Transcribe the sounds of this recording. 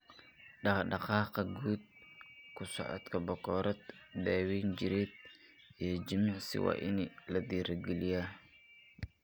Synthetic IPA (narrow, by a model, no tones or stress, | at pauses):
ɖɑχɖɑqɑːqɐɡuːd̪̚kʰʊsɔ̰ʕɔ̰t̪kʰɐbɔkɔːɾɐd̪̚d̪aːwiːnt͡ʃɪɾɛːd̪̚ | ijɔd͡ʒɪmɑʕsɪ̰wɑ̰ːʔɪnilɐd̪iːɾɐɡɛlɪjaː